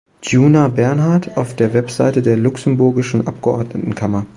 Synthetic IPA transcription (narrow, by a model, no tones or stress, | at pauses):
juːnabɛɐnɦaɐtʰaʊfd̥eːɐvɛpz̥a̰ɪtədeːɐlʊksn̩bʊɐɡɪʃn̩ʔap̚ɡ̥əʔɔɐdnətn̩kʰamɐ